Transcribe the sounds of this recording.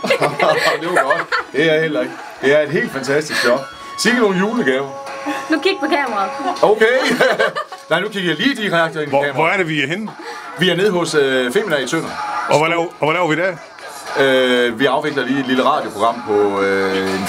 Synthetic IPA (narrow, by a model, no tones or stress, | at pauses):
d̥eoɡ̥ɒd̥d̥e̝æɐhel̰ɐe̝ɡ̥ | d̥e̝æɐe̝d̥ɦe̝̰ːld̥fænt͡sʰæsd̥isɡ̥jɒ̽ɡ̥̚ | siɡ̥əno̝ːn̩juːləɡ̥ɛːʊɐnukiɡ̥̚pʰɒ̽kʰɛːmɐʁɑːoʊkʰe | nɑ̈ɪnukʰiɡ̥ɐjɑ̈liːd̥iʁɑɡ̥̚d̥ɐenkɛ̰ːmɐʁɒæɐɾeʋihen | ʋiæɐne̝ð̰ˠɦɔ̽søfe̝minɛisʰøn̰ɐɒʋɔlɛʊʋɔlɛʊɐʋid̥æ | øʋiɑ̈ʊʋe̝ɡ̥lɐliːe̝̥liləʁɑ̰̈ːdjo̝pʰoɡ̥ʁɑ̈m̰pʰɒ̽øen